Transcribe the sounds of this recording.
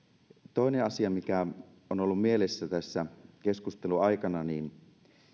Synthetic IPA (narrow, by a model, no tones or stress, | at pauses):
t̪oˑineɑsiɑmikæ | onolːummielesːæt̪æsːækeskust̪eluɑikɑnɑniːn